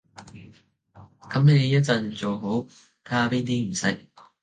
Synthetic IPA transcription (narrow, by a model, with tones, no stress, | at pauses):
kʰɐ˨˥mɛ˨˥e˨˧jɐ˥t̚t͡sɐ˧˩nt͡so˨wɦo˨˥w | kʰaː˥piː˥nt̪iː˥m̩˨˩sɐ˥k̚